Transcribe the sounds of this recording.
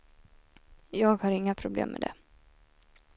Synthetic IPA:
jɑːɡhaɾɪŋːapʰɾʊblḛːmːʔɛ̰d̪ɛ̰

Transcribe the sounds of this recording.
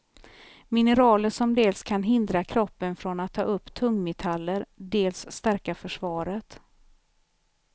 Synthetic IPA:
mɪnəɾɑːləʂɔmd̪eːlskʰanɦɪnd̪ɾakʰɾɔpːənfɾɔnat̪ʰːɑ̰ːɵpːt̪ʰɵŋːmɛt̪ʰalːəɾɖeːlsːt̪æɾkafœʂvɑːɾət̪

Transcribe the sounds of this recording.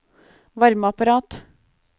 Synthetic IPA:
ʋɑɾməɑpɑɾɑːt̪

